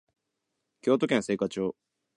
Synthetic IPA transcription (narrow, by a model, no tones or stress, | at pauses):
kʲo̞ːt̪o̞kẽɰ̃se̞ːkat͡ɕo̞ː